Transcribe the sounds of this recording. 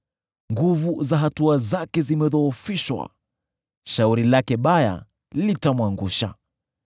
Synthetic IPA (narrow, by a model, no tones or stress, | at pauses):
ŋɡuvuzaɦatuazakɛzimɛðɔːfiʃwa̰ | ʃauɾilakɛɓaja̰ | litamwaŋɡuʃa̰